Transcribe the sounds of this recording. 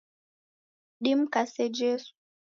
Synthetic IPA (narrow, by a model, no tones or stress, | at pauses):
ɗim̩kasɛd͡ʒɛsu̥